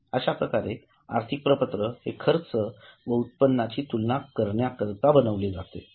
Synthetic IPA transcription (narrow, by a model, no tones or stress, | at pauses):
əɕapɾəkaɾe | a̰ɾt̪ʰik̚pɾəpət̪ɾəhekʰəɾt͡səʋəut̪̚pənːat͡ɕiːt̪ulnakəɾɳjakəɾt̪abənəʋled͡zat̪ḛ